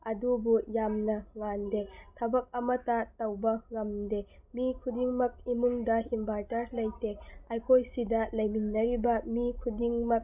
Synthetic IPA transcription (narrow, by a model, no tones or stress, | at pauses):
ʔɐdubujamnɐŋandetʰɐbɐk̚ɐmɐtatɐwbɐŋɐmdemikʰudiŋmɐk̚imuŋdɐhimbaɾtɐɾlɐjteʔajkʰojsidɐlɐjminːɐɾibɐmikʰudiŋmɐk̚